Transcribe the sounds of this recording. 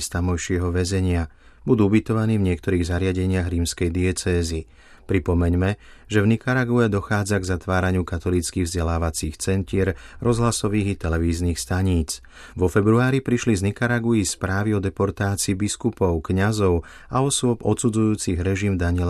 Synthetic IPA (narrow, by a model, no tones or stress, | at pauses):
st̪amɔjʃɪɛɦɔʋɛzɛɲɪa | bud̪uːubit̪ɔʋaniːvɲɪɛk̚t̪ɔɾiːɣzaɾɪaɟɛɲɪaɣɾiːmskɛjd̪iɛt͡sɛːzi | pɾipɔmɛɲmɛ | ʒɛvnikaɾaɡuɛd̪ɔxaːd͡zaɡzat̪ʋaːɾaɲɪukat̪ɔlit͡skiːɣvzɟɛlaːʋat͡siːxt͡sɛnc̪ɪɛɾɾɔzɦlasɔʋiːɣit̪ɛlɛʋiːzniːxst̪aɲiːt͡s | ʋɔfɛbɾuaːɾipɾiʃliznikaɾaɡuispɾaːʋiɔd̪ɛpɔɾt̪aːt͡siːbiskupɔʊkɲazɔʊ | aɔsʊɔbɔ̰t̪sud͡zujuːt͡siɣɾɛʒimd̪aɲɪɛl